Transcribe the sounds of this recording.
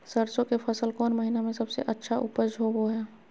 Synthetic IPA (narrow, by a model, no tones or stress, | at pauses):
səɾsõkepʰɐsəlkɔːnməɦinamẽsɐbsḛʔɐtːʃʰaʔʊpəɾd͡ʒʱoboɦɛː